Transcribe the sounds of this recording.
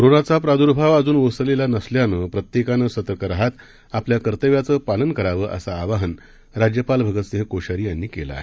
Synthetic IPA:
kɾonat͡sapɾad̪uɾbʱaʋad͡zuːnʋəsəlelanəsljanəpɾət̪jekanəsət̪əɾkəɾaɦat̪ | apljakəɾt̪əʋjat͡səːpalənkəɾaʋəːʔə̰saːʋaɦən | ɾad͡ʑjəpalbʱəɡət̪seɦekoɕaɾijanːiːkela̰ːɦe

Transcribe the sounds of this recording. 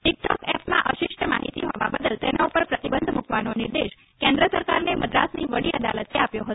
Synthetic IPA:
ʈik̚ʈɔkɛpmãʔəʃɪʃʈəma̰ɦḭt̪iɦɔʋa̰bəd̪əlt̪enaupəɾpɾət̪ibənd̪ʱmukʋanonɪɾd̪eʃ | kɛ̃nd̪ɾəsəɾkaɾneməd̪ɾa̰sniʋəɽiəd̪a̰lət̪eapjoɦət̪o

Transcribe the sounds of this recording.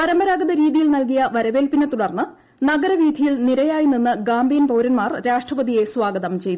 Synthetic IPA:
pɐɾɐmɐɾaːɡɐðɐɾiːðijilnɐlk̬ijɐʋɐɾɐʋe̞ːlpinet̪uɽɐrnːɨ | nɐɡɐɾɐʋiːd̪ʱijilniɾɐjaːjininːɨɡaːmbʱijɐnpɐwɾɐnmaːrɾaːʂʈrɐʋɐðije̞swaːɡɐðɐmt͡ɕe̞jt̪u

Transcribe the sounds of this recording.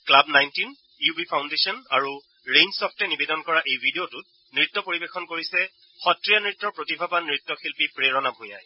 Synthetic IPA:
klabnajntin | iubʱipʰawndesɔnaɹu | ɹẽjnsɔpʰtɛnibedɔnkɔɹaʔejbʱidiotʊt̚ | nɹitːɔpoɹibexɔnkoɹisɛ | xɔtɹijanɹitːɔɹpɹotibʱabanɹitːɔxilpipɹeɹɔnabʱojaj

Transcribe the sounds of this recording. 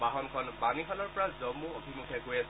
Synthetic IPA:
baɦɔnkʰɔnbaniɦalɔɹpɔɹazɔmːuobʱimukʰɛkojasɛ

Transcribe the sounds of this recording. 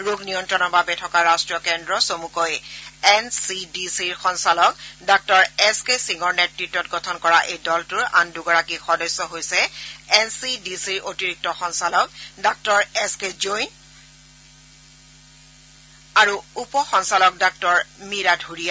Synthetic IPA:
ɹuɡʱnijɔntɹɔnɔbabɛtʰɔkaɹastɹijɔkɛndɹɔsomukɔjɛnsidisiɹxɔnsalɔk̚dak̚tɔɹɛskesiŋɔɹnetɹitːɔt̚ɡɔtʰɔnkɔɹaʔejdɔltuɹa̰nduɡɔɹakixɔdɔsɔɦojsɛɛnsidisiɹʔotiɹik̚tɔxɔnsalɔk̚dak̚tɔɹɛskezojn | aɹuupɔxɔnsalɔk̚dak̚tɔɹmiɹadʱuɹija

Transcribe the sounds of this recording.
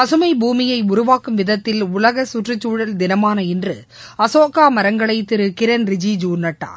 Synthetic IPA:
ɐsɯmɐɪbʱuːmɪjɐɪʊɾʊʋaːkɯmʋɪðɐt̪ːɪlʊlɐɣɐsʊʈrɯt͡ʃːuːɻɐld̪ɪnɐmaːnɐɪndrɯ | ɐsoːkaːmɐɾɐŋɡɐɭɐɪt̪ːɪɾɯkɪɾɐnɾɪd͡ʒid͡ʒuːɾnɐʈːa̰ː

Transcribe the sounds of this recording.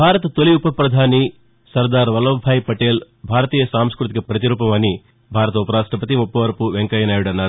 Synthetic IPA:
bʱaːɾɐt̪t̪oliupɐpɾɐd̪ʱaːni | sɐɾd̪aːɾʋɐlɐbʱaːjpɐʈe̞ːl | bʱaːɾɐt̪iːjɐsaːmskɾut̪̬ikɐpɾɐt̪̬iɾuːpɐmɐni | bʱaːɾɐt̪ɐupɐɾaːʂʈɐpɐt̪̬imupːɐʋɐɾɐpuʋeŋkɐjɐnaːjuɽɐnːaːɾu

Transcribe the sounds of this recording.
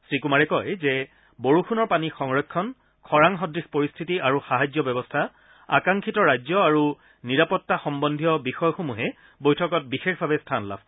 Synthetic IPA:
sɹikumaɹɛkɔjzɛ | boɹuxʰunɔɹpanixɔŋɹɔkʰːɔn | kʰɔɹaŋɦɔdɹixpoɹistʰitiʔaɹuxaɦazjɔbɛbɔstʰa | a̰kaŋkʰitɔɹajd͡ʑɔaɹu | niɹapɔtːaxɔmbɔndʱijɔbixɔjxomuɦɛ | bojtʰɔkɔt̚bixexbʱabɛstʰanla̰b̚

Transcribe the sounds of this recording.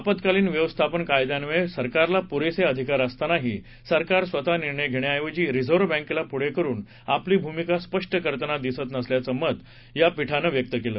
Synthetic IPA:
apət̪kaliːnʋjəʋəst̪ʰapənkajd̪janʋesəɾkaɾlapuɾeseəd̪ʱikaɾəst̪anaɦiː | səɾkaɾsʋət̪aniɾɳəjɡʱeɽ̃eajʋəd͡ʑiːɾid͡zoɾʋbɛ̃ŋkelapuɽekəɾuːn | apliːbʱumikaspəʂʈəkəɾt̪ənad̪isət̪nəsljat͡səməd̪ | japiʈʰanəʋjək̚t̪əkeləː

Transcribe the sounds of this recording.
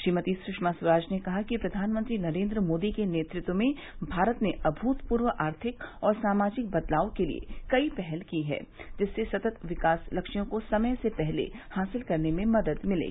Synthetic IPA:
ʃɾiːmət̪isɾʊʃmaswɐɾaːd͡ʒnekɐɦakipɾɐd̪ʱaːnmə̃nt̪ɾinɐɾẽːnd̪ɾəmoːd̪ikeneːt̪ɾɪt̪wəmẽ | bʱaːɾət̪neʔɐbʱuːt̪puːɾʋəʔaːɾt̪ʰɪkɔːɾsaːmaːd͡ʒɪk̚bɐd̪laːokelḭḛkɐipɛɦɛlkiɦɛ̰ːd͡ʒɪsːesɐt̪ət̪ʋɪkaːslɐkʃijõkosɐməjsepɛɦlḛhaːsɪlkɐɾnemẽmɐd̪əd̪mɪlḛːɡi

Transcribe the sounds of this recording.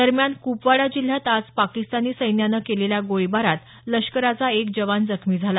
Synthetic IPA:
d̪əɾmjankupʋaɽad͡ʑil̤ːjat̪ad͡zpakist̪aniːsəjnjanəkeleljaɡoɭibaɾat̪ | ləʂkəɾat͡saekd͡ʑəʋand͡zəkʰmiːd͡zʱala

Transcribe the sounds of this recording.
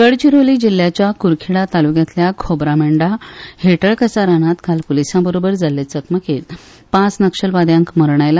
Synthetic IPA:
əɽt͡ɕiɾoliːd͡ʑil̤ːjat͡ɕjakuɾkʰiɽat̪alukjãt̪ljakʰobɾameɳɖaheʈəɭkəsaɾanat̪kʰalpolisãbəɾobəɾd͡zalːet͡səkməket̪ | pãt͡snəkɕəlʋad̪jãŋkməɾɳ̃ajla

